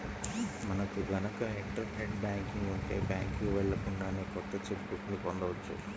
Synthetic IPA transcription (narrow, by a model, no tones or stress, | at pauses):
mɐnɐkuʋɐnɐkɐeʈɾɐʈeɖbaːŋkiŋɡuɳʈeːbja̰ːŋkiɡʋɛɭːɐkuɳɖaːneːkɔt̪ːɐt͡ʃepkukunipɔnd̪ɐʋɐt͡ʃːṵ